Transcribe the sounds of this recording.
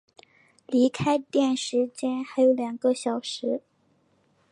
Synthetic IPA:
li˧˥kʰa˥ɪt̪jɛ˥˩nʂɻ̩˧˥t͡ɕjɛ˥nxa˧˥ɪjo˧˥ʊljɑ˨˩ŋɡə˧ɕjɑ˨˩ʊʂɻ̩˧˥

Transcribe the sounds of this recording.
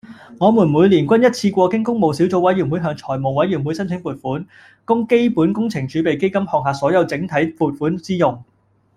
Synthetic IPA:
ŋɔː˨˧muː˨˩nmuː˨˧jliː˨˩nkʷɐ˥njɐ˥t̚t͡sʰiː˧kʷɔː˧kɪ˨˥ŋkʊ˥ŋmo˨wsiː˨˥wt͡so˨˧wɐ˨˥jɥy˨˩nwu˨˥jɦœː˧ŋt͡sʰɔː˨˩jmo˨wɐ˨˥jːy˨˩nwu˨˥jsɐ˥nt͡sʰɪ˨˥ŋpuː˨t̚fuː˨˥n | kʊ˥ŋke˥jpuː˨˥nkʊ˥ŋt͡sʰɪ˨˩ŋt͡ʃyː˨˧pe˨˩jke˥jkɐ˥mhɔː˨˧ŋ̚ɦaː˨˧sɔː˨˥jɐ˨˧wt͡sɪ˨˥ŋt̪ʰɐ˨˥jpuː˨t̚fuː˨˥nt͡siː˥jʊ˨ŋ

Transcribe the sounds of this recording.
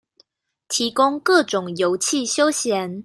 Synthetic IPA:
t̪ʰi˨˧˥kʊ˥ŋkɤ˥˨ʈ͡ʂʊ˨˩ŋjo˨˦ʊt͡ɕʰi˥˨ɕjo˥ʊɕjɛ˨˥˦n

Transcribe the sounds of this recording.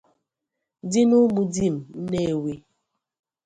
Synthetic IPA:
di˦nu˦ɡ͡bu˦di˦˨m̩˨n̩˦ne˦˨wi˦

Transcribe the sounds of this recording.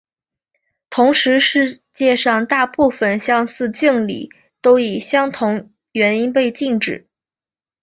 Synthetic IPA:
t̪ʰʊ˧˥ŋʂɻ̩˧˥ʂɻ̩˥˧ | t͡ɕjɛ˥˧ʂɑ˥˧ŋt̪a˥˧pu˥˩fə˨˩nɕjɑ˥ŋsɹ̩˥˧t͡ɕi˥˩ŋlḭ˨˩˦ | t̪o˥ʊi˨˩ɕjɑ˥ŋt̪ʰʊ˧˥ŋ | ɥɛ˧˥ni˥npe˥˧ɪt͡ɕi˥˩ŋʈ͡ʂɻ̩˨˩˦

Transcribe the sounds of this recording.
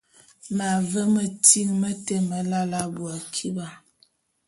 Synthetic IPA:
ma˨və˦mə˨ti˦ŋmə˦te˦mə˨la˦la˦bu˨a˨kʰi˦ba˨

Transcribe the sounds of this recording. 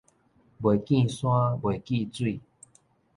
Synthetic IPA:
bwe˨˩kĩ˥˧˨sw̃ã˦bwe˨˩ki˥˧t͡swi˥˧˨

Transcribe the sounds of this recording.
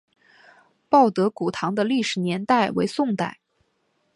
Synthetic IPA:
pɑ˥˩ʊt̪ɤ˧˥ku˨˩t̪ʰɑ˧˥ŋd̪ə˧li˥˩ʂɻ̩˨˩njɛ˧˥nt̪a˥˩ɪwḛ˧˥ɪsʊ˥˧ŋt̪a˥˩ɪ

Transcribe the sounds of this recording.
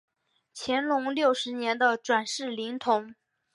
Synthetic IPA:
t͡ɕʰjɛ˧˥nlʊ˧˥ŋljo˥˩ʊʂɻ̩˧˥njɛ˧˥nd̪ə˧ʈ͡ʂwa˨˩nʂɻ̩˥˩li˧˥ŋt̪ʰʊ˧˥ŋ

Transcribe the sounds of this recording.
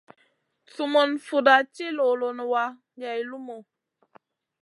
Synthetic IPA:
su˨mo˨nfu˨da˨t͡ʃi˦lo˨lo˨nə˨wa˦ | ja˨i˨lu˦mo˨

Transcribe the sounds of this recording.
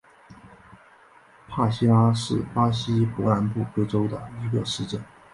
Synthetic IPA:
pʰa˥˩ɕi˥la˥ʂɻ̩˥˩pa˥ɕi˥pwɔ˧˥na˧˥npu˥˩kɤ˥ʈ͡ʂo˥ʊd̪ə̰˨˩i˧˥ɡə˧ʂɻ̩˥˧ʈ͡ʂə˥˩n

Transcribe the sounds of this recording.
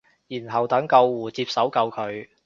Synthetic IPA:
jiː˨˩nɦɐ˨˩wt̪ɐ˨˥ŋkɐ˧wːuː˨˩t͡siː˧p̚sɐ˨˥wkɐ˧wkʰɵ˨˧ɥ

